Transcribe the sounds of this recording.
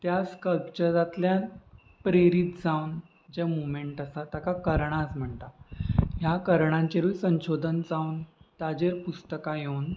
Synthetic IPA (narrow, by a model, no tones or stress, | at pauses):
t̪jaskəlpt͡ɕəɾat̪lja | pɾeɾit̪̚d͡zawn | d͡ʑemomeɳʈasat̪jakakəɾɳasm̤əɳt̪aɦjakəɾɳãɲt͡ɕeɾuːsə̃w̃ɕod̪ʱənd͡zawnt̪ad͡ʑeɾpust̪əkajewn